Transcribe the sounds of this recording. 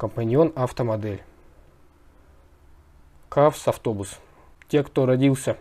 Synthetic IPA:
kəmpɐnʲɪo̞naft̪əmɐd̪ɛlʲ | kafsɐft̪o̞bʊs | tʲekt̪oɾɐdʲilˠsʲə

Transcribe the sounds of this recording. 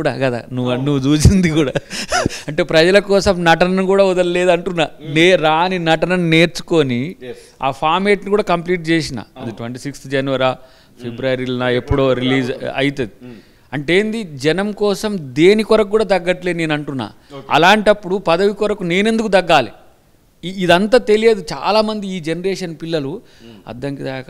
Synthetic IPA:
uɽa̰ːkɐd̪a̰ːnunuʋːud͡ʒuːt͡ʃind̪ikuːɽaːɐɳʈe̞ːpɾɐd͡ʒɐlɐkɔːsɐmnɐʈɐnɐnukuːɽaːud̪ɐlle̞ːd̪ɐɳʈunːaːneːɾaːninɐʈɐnɐnne̞ːɾt͡ʃu̥ko̞ːni | a̰ːpʰaːɾmeːʈnikuːɽaːkɐmpliːʈ̚t͡ʃeːsina̰ːɐd̪iʈʋeɳʈiːsikst̪d͡ʒɐnuʋɐɾaː | pʰebɾuɐɾilɐnaepːuɽoːɾiliːd͡ʒɐ̰jit̪eːd̪i | ɐɳʈeːnd̪id͡ʒɛnɐmkɔːsɐmd̪eːnikɔɾɐkukːuːɽaːt̪ɐɡːɐʈleineːnɐɳʈunːa̰ːɐ̰laːɳʈɐpːuɽupɐd̪ɐʋikɔɾɐkune̞ːne̞nd̪uk̬ut̪ɐɡːaːliː | d̪ɐnt̪̬at̪e̞lijeːd̪ut͡ʃa̰ːlaːmɐnd̪iiːd͡ʒenɐɾeːʂɐnpilːɐlu | ɐ̰d̪ːɐŋkid̪ak

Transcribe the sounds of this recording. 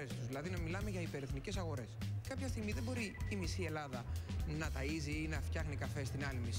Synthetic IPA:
est̪uzðilɐðinɐmilɐme̞ʝɐipe̞ɾeθnice̞sɐɣo̞ɾe̞skɐpçɐst̪iɣmiðe̞bo̞ɾiːmisie̞lɐðɐnɐt̪ɐiziinɐft̪çɐxnikɐfe̞st̪inɐlimis

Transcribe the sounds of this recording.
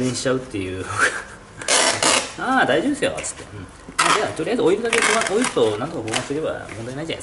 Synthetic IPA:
eɲĩɕi̥t͡ɕaɯ̟t̪ːe̞jɯ̟ːnoɡa | aːd̪aiʑo̞bd̪esɨjo̰t͡sɨ̥t̪ːe̞ɯ̟̃ɴ | mad̪eat̪oɾiaizɨo̞iɾɯ̟d̪ak̬ekoːmaoiɾɯt̪o̞nant̪okaboːmãseɯɾe̞ba̰mõ̞nd̪ainaid͡ʑana̰sk

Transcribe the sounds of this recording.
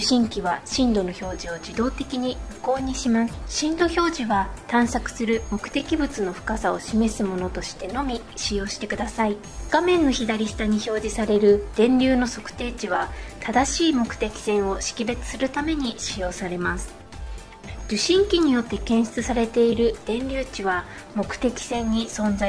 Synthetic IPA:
ɨɕĩŋkʲiβaɕĩnd̪o̞no̞ço̞ːʑio̞d͡ʑid̪o̞ːt̪e̞kʲiɲ̟iɸɯ̟ko̞ːɲ̟iɕimasɕĩnd̪o̞ço̞ːʑiβat̪ãɰ̃sakɯ̥sɨɾɯ̟mo̞kɯ̟̥t̪e̞kʲibɯt͡sɨno̞ɸɯ̥kasao̞̰ɕime̞sɨmo̞no̞t̪o̞ɕi̥t̪e̞no̞mʲi | ɕijo̞ːɕi̥t̪e̞kɯ̟d̪asai | ɡ̥amẽ̞nːo̞çid̪aɾʲiɕi̥t̪aɲ̟iço̞ːʑisaɾe̞ɾɯ̟d̪̥ẽ̞nɾʲɨːno̞so̞kɯ̟̥t̪e̞ːt͡ɕiβat̪ʰad̪aɕiːmo̞kɯ̟̥t̪e̞kʲi̥sẽ̞ɰ̃o̞ɕi̥kʲibe̞t͡sɨ̥sɨɾɯ̟t̪ame̞ɲ̟iɕijo̞ːsaɾe̞masɨ̥ | d͡ʑɨɕĩŋkʲiɲ̟ijo̞t̪ːe̞kẽɰ̃ɕi̥t͡sɨsaɾe̞t̪e̞iɾɯ̟d̪̥ẽ̞nɾʲɨːt͡ɕiβa | mo̞kɯ̟̥t̪e̞kʲi̥sẽ̞ɲ̟ːisõ̞nd͡za

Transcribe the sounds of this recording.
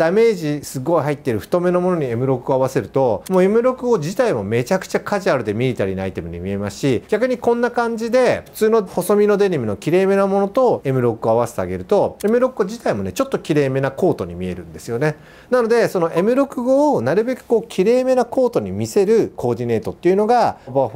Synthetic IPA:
d̪ame̞ːʑisɨɡːo̞iɦait̪ːeɾɯ̟ɸɯ̟̥t̪o̞me̞no̞mo̞noɲ̟ie̞mɯ̟ɾo̞kɯ̟oaβ̞ase̞ɾɯ̟t̪o̞moːe̞mɯ̟ɾo̞kɯ̟ɡo̞d͡ʑit̪aimo̞me̞t͡ɕakɯ̥t͡ɕakʰaʑiaɾɯ̟d̪e̞mʲiɾʲit̪aɾʲinoa̰it̪e̞mɯ̟ɲ̟ḭmʲiemaɕiɡʲakɯ̟ɲ̟ikõ̞nːakãɲ̟d͡ʑid̪e̞ɸɯ̟̥t͡sɨːno̞ho̞so̞mʲino̞d̪e̞nʲemʲino̞kʲiɾe̞ːme̞namo̞no̞t̪o̞e̞mɯ̟ɾo̞kɯ̟o̞aβase̞t̪ea̰ɡe̞ɾɯ̟t̪o̞e̞mɯ̟ɾo̞kɯɡo̞d͡ʑit̪aimo̞ne̞t͡ɕo̞t̪ːokʲiɾe̞ːme̞nako̞ːt̪o̞ɲ̟imʲie̞ɾɯ̟̰̃nd̪e̞sɨjo̞ne̞ | nano̞d̪e̞so̞no̞ʔe̞mɯ̟ɾo̞kɯ̟ɡo̞ːnaɾɯ̟be̞kɯ̥ko̞ːkʲʰiɾe̞ːme̞nako̞ːt̪o̞ɲ̟imʲise̞ɾɯ̟kʰo̞ːd̪ʲine̞ːt̪o̞t̪ːe̞iɯ̟no̞ɡaba

